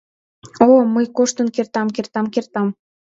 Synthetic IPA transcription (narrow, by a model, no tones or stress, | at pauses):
oməjkoʃt̪ə̆nkert̪ɑmkert̪ɑmkert̪ɑm